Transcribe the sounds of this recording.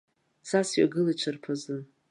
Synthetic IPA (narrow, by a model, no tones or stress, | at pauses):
sasɥa̰ɡɨlat͡ʃʷʰɨrpʰazɨn